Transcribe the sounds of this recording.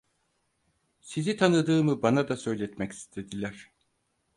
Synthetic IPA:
sizit̪ʰanɯd̪ɯːmɯbanad̪asø̞jlʲɛt̪mɛci̥st̪ʰe̞d̪ilʲæɾ̥

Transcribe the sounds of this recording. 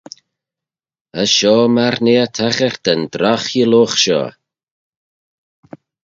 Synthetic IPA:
əʃɔːmaɾneət̪ʰaxɛɾt̪ənd̪ɾaxjəloːxʃɔ̰ː

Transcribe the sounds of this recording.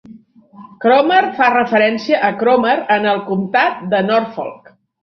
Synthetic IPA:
kɾomərfarəfəɾɛnsiəʔəkɾɔməɾənəlˠkumt̪at̪̚d̪ənɔrfɔ̰lˠk

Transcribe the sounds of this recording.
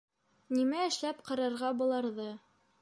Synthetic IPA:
nimæɘ̆ʃlæpqɤ̆ɾɑ̆ɾʁɑbulˠɑɾðɤ

